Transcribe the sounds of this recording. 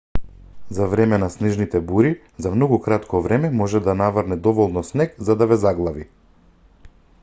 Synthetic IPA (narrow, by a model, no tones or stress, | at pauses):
zavɾɛmɛnasnɛʒnit̪ɛbuɾi | zamnɔɡukɾat̪kʰɔvɾɛmɛmɔʒɛd̪anavɾnɛd̪ɔvɔlˠnɔsnɛkzad̪avɛzaɡlˠavi